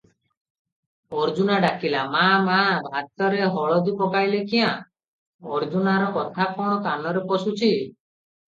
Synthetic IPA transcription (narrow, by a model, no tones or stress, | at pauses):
ɔɾd͡ʒunaɖakilamamabʱat̪ɔɾeɦɔɭɔd̪ukɔkajlekiã | ɔɾd͡ʒunaɾɔkɔt̪ʰakɔ̃ɔt̪anɔɾepɔsut͡ʃʰi